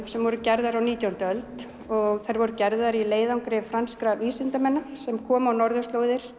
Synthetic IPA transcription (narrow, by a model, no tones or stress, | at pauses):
sɛmvɔɾʏcɛɾðaɾawniːt̪jawnt̪œlt̪ | ɔɣθajɾvɔɾʏcɛɾðaɾileːjðawŋkɾɪfɾanskɾaviːsɪnt̪amɛnːasɛmkʰɔːmawnɔɾðʏst̪loːwðɪɾ̥